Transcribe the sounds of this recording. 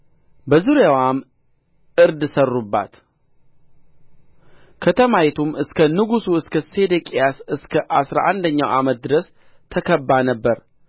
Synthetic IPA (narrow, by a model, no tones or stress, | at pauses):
bəzuɾjawam | ʔɨɾd̪sərːubːa̰t̪ | kʰət̪ʰəmajɛt̪ʰumɨskʰənɨɡusuɨskʰəsed̪ekʼijasɨskʰəʔasɾa̰ʔa̰nd̪əɲːawʔamət̪̚d̪ɨɾəs | t̪ʰəkʰəbːanəbːəɾ